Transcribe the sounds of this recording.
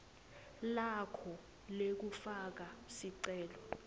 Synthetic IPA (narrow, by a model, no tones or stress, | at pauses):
lakʰɔ | lek̬ufak̬asiǀɛːlɔ